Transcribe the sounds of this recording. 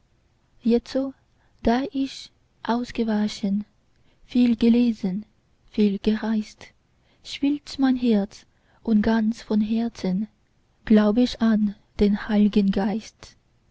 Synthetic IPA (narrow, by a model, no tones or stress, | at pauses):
jɛt͡soː | d̥aːʔɪç | ʔaʊsɡ̥əvaʃən | fiːlɡəleːzən | fiːlɡ̥əʁaɪst | ʃv̥iltmaɪnɦɛɐt͡s | ʔʊnt̚ɡ̥ant͡sfɔnɦɛɐt͡sən | ɡ̥laʊbəɪçan | d̥eːnhaɪlɪɡənɡaɪst